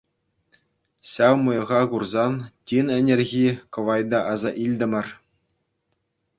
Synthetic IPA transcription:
ɕɑwmɤ̆jɤ̆ʁɑɡurzɑntʲinɘ̆nʲĕrʲɣʲikɤ̆ʋɑjd̪ɑʔɑzɑʔilʲd̪ʲɘ̆mʲɘ̆r

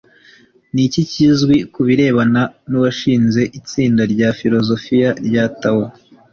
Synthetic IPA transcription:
nicicizɡwikuβiɾe̞ːβananuβaʃiːnze̞ʔit͡siːndaɾɟaːfiɾo̞zo̞fijaɾɟatawo

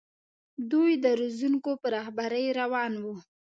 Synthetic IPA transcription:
d̪ujd̪əɾuzuŋkopəɾɑhbaɾəjɾawɑnwu

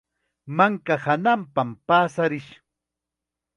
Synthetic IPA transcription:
maŋkahanampampaːsaɾɪʃ

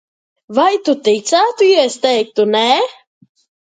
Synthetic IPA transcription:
vajt̪ut̪it̪saːt̪uiɛst̪ɛjk̚t̪unɛ

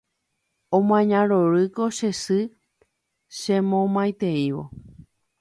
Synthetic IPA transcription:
õm̃ãɲãɾoɾɨko̞ʃesɨ | ʃẽmõmãjt̪e̞iʋo̰

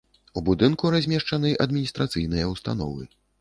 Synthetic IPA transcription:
ubud̪ɨnkuɾazʲmʲɛʂt͡ʂanɨʔɐd̪mʲinʲist̪ɾat̪sɨjnɨjɐwst̪a̰nɔ̰vɨ̰

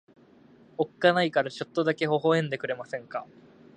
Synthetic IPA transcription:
o̞kkanaikaɾat͡ɕo̞t̪ːo̞d̪ake̞ɦo̞ɦo̞ẽ̞nd̪e̞kɯ̟ɾe̞masẽ̞ŋka

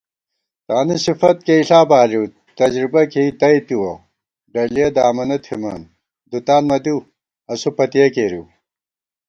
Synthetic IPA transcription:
t̪aːnisifɐt̪̚keiɬaːbaːliw | t̪ɐd͡ʑɾibɐkeit̪ɐjt̪iwɐ | ɖɐlijɐd̪aːmɐnɐt̪ʰhimɐ̰n | d̪ut̪aːnmɐd̪iw | ɐsupɐt̪ijɐkeːɾiw

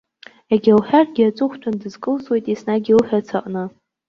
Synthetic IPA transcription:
aɡʲalħᶣarɡʲiat͡sʷʼʊχʷtʰandɨzkʼɨlswejtʼisnaɡʲilħᶣat͡sʰaqʼnɨ

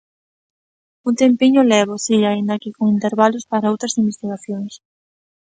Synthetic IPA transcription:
unt̪empiɲʊlɛβosiaind̪akikoŋint̪eɾβalʊspaɾaowt̪ɾasimbest̪iɣaθjoŋs

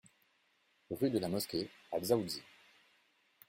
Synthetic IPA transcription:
ʁyd̪əlamɔskʲeazauzi

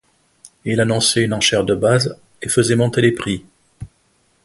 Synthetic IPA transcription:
ilanɔ̃sɛynɑ̃ʃɛʁd̪əbaz | efəzɛmɔ̃t̪elepχi

